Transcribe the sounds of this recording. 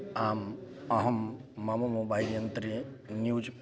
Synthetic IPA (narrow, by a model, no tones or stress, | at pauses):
aːmɐɦɐmːɐmumubaːjljɐnt̪ɾinjuːd͡ʒ